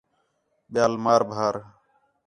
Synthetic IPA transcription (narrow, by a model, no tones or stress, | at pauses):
ɓɪjaːlmaːɾbʱaːɾ